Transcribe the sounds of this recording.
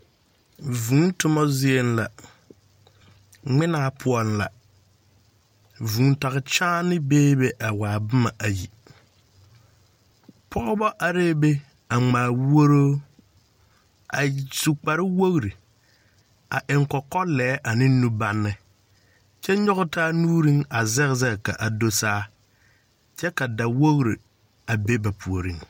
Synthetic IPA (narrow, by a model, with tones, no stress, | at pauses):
vũ˨˦n˦tʊ˦mɔ˦zɪ˦e˨nla˨ | ŋ͡mɪ˦naː˦pʰʊ˨ɔ˨nla̰˨ | vũː˨˦n˦ta˨ɣɪ˨t͡ʃaː˦nɪ˦beː˦be˦ʔa˨waː˨bʊ˦ma˨ʔa˨jḭ˨ | pʰɔ˦bɔ˦ʔa˨ɾeː˦be˦ | a˨ŋ͡maː˨wo˦ɾoː˦ | a̰˨su˨k͡pa˨ɾɪ˦wo˦ɣɾi˨ | a˨ʔɪ˨ŋkɔ˨kɔ˦lɛː˨˦ʔa˨nɪ˦nu˦ba˦nːɪ˨ | t͡ʃɛ˦ɲɔ˦ɣʊ˦taː˦nuː˦ɾi˦ŋa˨zɛ˦ɣɪ˦zɛ˦˨ka˨ʔa˨do˦saː˦ | t͡ʃɛ˦ka˨da˨wo˦ɣɾi˨ | a˨be˦ba˨pʰu˨o˨ɾi˦ŋ